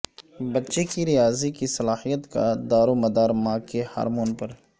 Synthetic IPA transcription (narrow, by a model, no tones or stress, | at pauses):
bɐtːʃekiɾɪjaːzikisɐlaːhijət̪kad̪aːɾomɐd̪aːɾmãːkeha̰ːɾmoːnpɐɾ